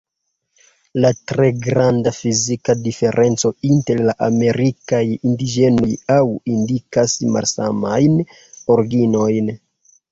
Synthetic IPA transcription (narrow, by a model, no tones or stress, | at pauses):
latɾe̞ɡɾandafizikadife̞ɾʔe̞nt͡so̞inte̞ɾlaʔame̞ɾikajindid͡ʒe̞no̞jawindikasma̰lsa̰majn | oɾɡino̞jn